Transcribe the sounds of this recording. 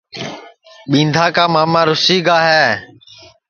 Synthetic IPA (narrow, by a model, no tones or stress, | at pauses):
ɓĩːnd̪ʱaːkaːmaːmãːɾʊsiːɡaːɦɛː